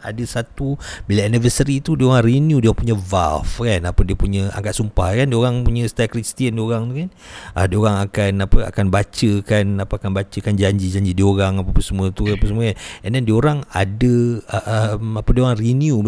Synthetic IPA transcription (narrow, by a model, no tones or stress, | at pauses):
a̰dəsat̪ubilaanivəsəɾit̪udioɾaŋriniudioaŋpuɲəva̰lfkanapədiəpuɲəa̰ŋkat̪̚sumpahkandiəoɾaŋpuɲəst̪akɾist̪iəndioɾaŋt̪ukan | ʔədioɾaŋakanapəa̰kanbat͡ʃəkanapəakanbat͡ʃəkand͡ʒaɲd͡ʒid͡ʒaɲd͡ʒidioɾaŋapapəsəmuət̪ukapəsəmuəkanɛndɛndioɾaŋa̰dəəʔəmapədioɾaŋrinju